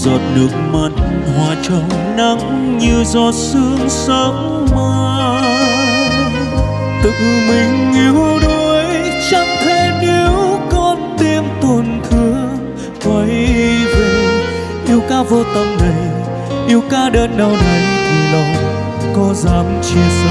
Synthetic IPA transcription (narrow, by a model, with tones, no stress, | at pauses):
zɔ˨˩t̚nɨ˨˩ək̚ma˨˩t̚ | hwaː˨˩t͡ɕə˧˩w | na˨˧˦ŋ | ɲɨ˧zɔ˧˩sɨ˧əŋsə˧˦ŋ͡m | ma˧ | t̪ɨ˧˨ŋmï˨˩ŋ̟i˨˧˦əwɗo˧˩˦jt͡ɕa˧ŋt̪ʰe˧˩ni˧˦əwkɔ˧nt̪i˧əmt̪wə˨˩nt̪ʰɨ˧˦ə | va˨˦jve˨˩ | ʔi˧əwkaː˧˥vo˧˩t̪ə˧˩mɗə˨˩j | ʔi˧əwkaː˧˥ɗəː˧nɗa˧˩wɗə˨˩jt̪ʰi˨˩lə˨˩wŋ͡m | kɔ˨˦zaː˨˦mt͡ɕi˧˩z